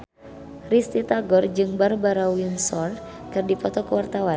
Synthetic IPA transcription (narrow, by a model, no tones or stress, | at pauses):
rist̪it̪aɡɔrd͡ʒɨŋbarbaɾawunsɔr | kɨrdipɔt̪ɔkəwart̪awan